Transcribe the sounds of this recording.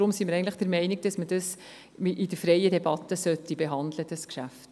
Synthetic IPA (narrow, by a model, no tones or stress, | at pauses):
ɾʊmsimɪɾɛɪən̩tlɪχd̥əɾmɛɪnɪk̚d̥ɑsməd̥ɑs | ʔɪdəɾfɾɛɪədɛbɑtːəsœtːibeɦɑndləd̥ɑskʃæft